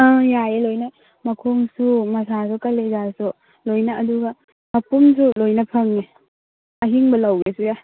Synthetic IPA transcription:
ajaelojnɐ | mɐkʰoŋsumɐsʰas̬ukɐlezasu | lojnɐʔːduɡɐ | mɐpumsulojnɐpʰɐŋːe | ɐɦiŋbɐlɐwɡesuja

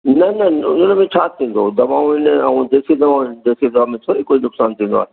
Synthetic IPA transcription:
nɐnɐʊ̰n̤ənmẽt͡ɕʰaːt̪ʰĩːn̆d̪od̪ɐʋaːõɪnəɛ̃ũd̪eːsid̪ɐʋad̪eːsid̪ɐʋaːmẽt̪ʰoɦɪkoinʊksaːnt̪ʰĩːnd̪oa̰ːɦe

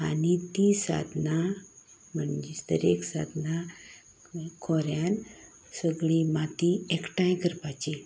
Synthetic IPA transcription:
anit̪isa̰d̪na | məɳd͡ʑesd̪ə̰ɾeksa̰d̪na | kʰɔɾjan | səɡɭimat̪iekʈãjkəɾpat͡ɕi

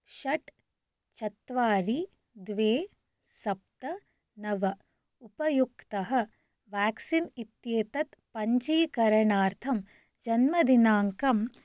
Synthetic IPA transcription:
ʃɐʈ | t͡ʃɐt̪ʋaːɾi | d̪ʋeː | sɐp̚t̪ɐ | nɐʋɐ | upɐjukt̪ɐɦɐ̆ | ʋaːksinit̪jeːt̪ɐt̪pɐɲt͡ʃiːkɐɾɐɳaːɾt̪ʰɐm | d͡ʒɐnmɐd̪inaːŋkɐm

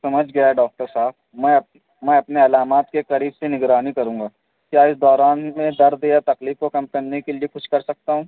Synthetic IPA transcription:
sɐməd͡ʒʱɡɐjaɦɛɖɔːk̚ʈəɾsaːb̚mɛ̃ɐp | mɛ̃ːɐpneɐlaːmaːt̪keqɐɾiːbsenɪɡɾaːnikɐɾũːŋɡaː | kjaːɪsd̪ɔːɾaːnmẽd̪ɐɾd̪eat̪ɐkliːfkokɐmkɐɾnekeliexʊʃkɐɾsɐk̚t̪aɦũː

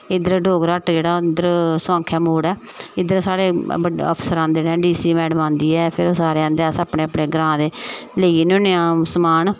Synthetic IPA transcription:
ɪd̪əɾɖoːɡɾəʈd͡ʒeːɽaːɪd̪əɾsãːŋkʰɛːmoːɽɛː | ɪd̪əɾsaːɾeːəə̰pʰsəɾãːnd̪eːɽɛ̃ːɖiːsiːmɛːɖəmãːnd̪iːɛːpʰɪɾoːsaːɾeːãːnd̪eaːsaːpɳeːapɳeːɡɾãːd̪eːləiːnõːneãːsmaːn

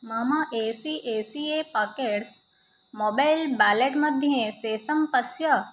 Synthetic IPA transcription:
mɐmɐʔeːsiʔeːsiepɐkeʈs | moːbajlbaːleʈmɐd̪ʱjeseːsɐmpɐsjɐ

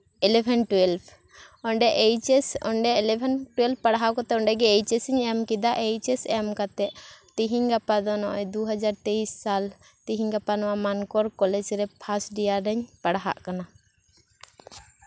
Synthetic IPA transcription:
ɛlɛpʰɛnʈwɛlpʰ | ɔɳɖɛʔejt͡ʃɛsɔ̰ɳɖɛɛlɛbʰɛnʈwɛlpʰpaɽɦaʔkɔt̪ɛɔɳɖɛɡɛːjt͡ʃɛsɛɲɛmkid̪aʔejt͡ʃɛsɛmkat̪ɛʔt̪iɦiɲɡapad̪ɔnɔʔɛd̪uɦad͡ʒaɾt̪eisːal | t̪iɦiɲɡapanɔwamankɔɾkɔlɛd͡ʒɾɛpʰasʈɖijaɾɛɲpaɽɦa̰ʔkana

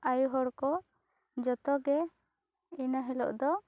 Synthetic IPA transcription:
ajuɦɔɽkɔ | d͡ʒɔt̪ɔɡɛ | inaɦɛlɔ̰ʔd̪ɔ

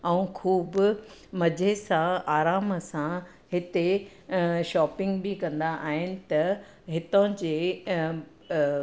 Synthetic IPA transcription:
ɛ̃ũkʰuːbʊmɐd͡ʑʱesãaːɾaːməsã | ɦɪt̪e | ʃɔːpɪ̃ŋɡbɪikɐ̃nd̪aʔaːɦɪnɪ̆t̪ɐ | ɦɪt̪õd͡ʑeː

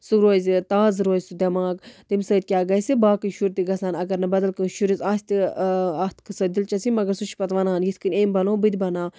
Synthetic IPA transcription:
suɾoːzʲt̪aːzɾoːzʲsud̪ʲɐmaːɡt̪imsəːd̪̚ʲkʲjaːɡɐsibaːkɨʃuɾt̪iɡɐsaːnɐɡɐɾnɐbɐd̪ɐlkɨʃuɾisaːsʲt̪iat̪ʰkɨsɐd̪ilt͡ʃɐsimɐɡɐɾsut͡ʃʰpɐt̪ʋɐnaːnjit̪ʰkɨnʲeːmbɐnoːbɨd̪ʲbɐnaː

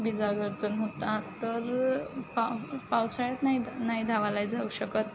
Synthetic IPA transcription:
bid͡zaɡəɾd͡zənɦot̪at̪əɾpapawsajat̪nainaɦid̪ʱaʋalajd͡zauɕəkət̪̚

